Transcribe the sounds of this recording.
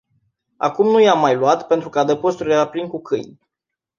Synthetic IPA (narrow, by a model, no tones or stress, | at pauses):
a̰kumnujamːajluat̪pe̞nt̪ɾukəad̪əpost̪uɾleɾaplinkukʰɨ̰jnʲ